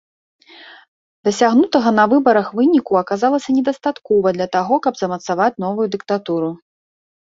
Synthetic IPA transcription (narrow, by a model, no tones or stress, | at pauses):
d̪ɐsʲaɣnut̪ɐɣɐnɐvɨbɐɾɐxvɨnʲikuɐkazalˠɐsʲɐnʲɛd̪ɐst̪at̪kɔvɐd̪lʲɐt̪aɣɔkɐbzɐmɐt̪savat͡sʲn̪ɔvujud̪ɨk̚t̪at̪uɾu